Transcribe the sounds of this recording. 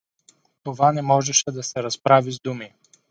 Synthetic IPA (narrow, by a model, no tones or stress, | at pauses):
t̪ovanɛmɔʒɛʃɛd̪ɐsɛɾɐspɾavizd̪umi